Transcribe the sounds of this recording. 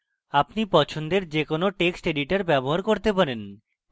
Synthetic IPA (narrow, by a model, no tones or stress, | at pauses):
apnipɔt͡ɕʰond̪eɾd͡ʑekonoʈeksʈeɖiʈaɾbɛboɦaɾkoɾt̪epaɾen